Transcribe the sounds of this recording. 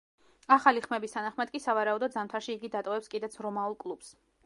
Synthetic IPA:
aχaliχmɛbist̪ʰanaχmad̪̥̚kʼisavaɾaud̪ɔd̪zamt̪ʰaɾʃiːɡid̪at̪ʼɔvɛpskʼid̪ɛt̪sʰɾɔmaulˠkʼlˠups

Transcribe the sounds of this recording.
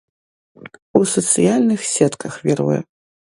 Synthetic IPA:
usɔt̪sɨjalʲnɨxsʲɛt̪kɐxvʲɛɾṵjɛ̰

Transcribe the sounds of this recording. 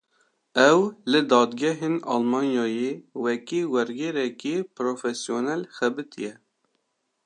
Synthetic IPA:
ɛwlɨd̪ɑːd̪ɡɛɦeːnɑ̰ːlmɑːnjɑːjewɛkiːwɛɾɡeɾɛkipɾofɛsjonɛlxɛbɨt̪ʰijɛ

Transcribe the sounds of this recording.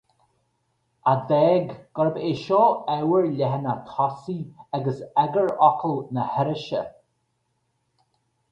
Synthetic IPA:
ad̪ɛːɡɡ̥ɔɹəbeʃɔːɛwəɹlʲɛɦənat̪ʰɔsiaɡəsɛɡəɹɔkʰəlnəhɛɾəʃə̰

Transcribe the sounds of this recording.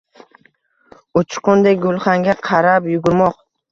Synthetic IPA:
ʊt͡ʃʰqʊnd̪ek̚ʲɡolˠχaŋɡʲaqʰɑɾapjʊɡʊɾmɒq

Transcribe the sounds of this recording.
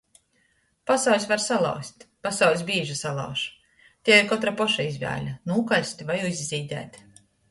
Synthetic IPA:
pasawlʲsvaɾsalˠa̰wsʲt̪ʲpasawlʲs̬ʲbʲiːʒasalˠa̰wʃ | t̪ʲeɛɾkɔt̪ɾapɔʃaizʲvʲæ̰ːlʲanuːkalʲsʲt̪ʲvajuizʲːiːd̪ʲæ̰ːt̪ʲ

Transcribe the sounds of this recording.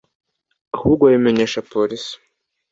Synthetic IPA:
ahuːɾɡwajimeɲe̞ːʃapoɾisi̥

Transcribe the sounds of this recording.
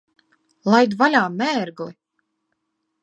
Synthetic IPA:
lˠajd̪valʲaːmɛːɾɡli

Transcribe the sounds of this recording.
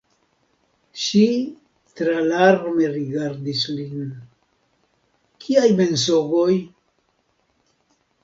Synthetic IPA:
ʃi | t̪ɾalaɾmeɾiɡaɾdislin | kʰiajme̞nsoɡoj

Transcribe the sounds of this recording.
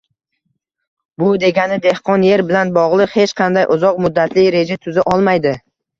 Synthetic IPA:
bʊd̪e̞ɡʲanɪd̪e̞hqʰɒnje̞ɾbɪlanbɒʁlˠɨqhe̞t͡ʃqʰɑnd̪ajʔʊzɒqmʊd̪ːat̪ʰlɪɾe̞d͡ʒat̪ʰʊzaʔɒlˠmajd̪ɪ

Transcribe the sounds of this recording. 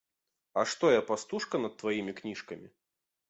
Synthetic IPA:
ɐʂt̪ɔjapast̪uʂkɐnɐt̪ːvajimʲiknʲiʂkɐmʲi

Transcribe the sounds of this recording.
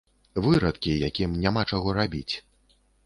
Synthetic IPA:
vɨɾɐt̪kʲijakʲimnʲamat͡ʂaɣɔɾabʲḭt͡sʲ

